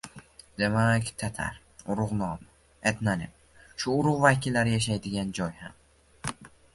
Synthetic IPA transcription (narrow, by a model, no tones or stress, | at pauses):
d̪̥e̞makʲt̪ʰat̪ʰa̰ɾ | ʊɾʊʁnɒm | et̪nanɪm | ʃʊːɾʊʁvakʲɪlːaɾɪjaʃ̬ajd̪ɪɡʲand͡ʒɒjham